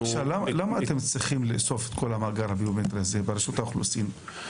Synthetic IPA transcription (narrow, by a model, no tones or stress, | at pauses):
ʃavlamalamaːtemt͡sʁiχimleso̞fet̪ko̞lamaːɡaɾhabiomet̪ɾiaze̞baɾeʃut̪auχlṵsin